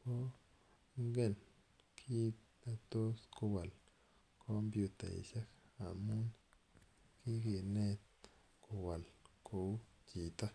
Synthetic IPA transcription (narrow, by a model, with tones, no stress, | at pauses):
ko˦ | ŋɡɛ˦˨n | kʰi˦t | a˨t̪o˦sko˧wa˨l | kʰo˦mbju˧t̪a̰˨ḭ˨ʃa˦ka˨mu˦n | ki˦ki˨nɛ˦˧t̪̚ | ko˨wa˨lkʰo˨˦t͡ʃi˨t̪a˦